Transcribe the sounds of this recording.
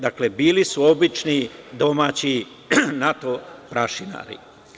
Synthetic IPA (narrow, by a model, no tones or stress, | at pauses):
d̪aklebiːlisuobit͡ʃnid̪o̞maːt͡ɕi | nat̪opɾaʃina̰ːɾḭ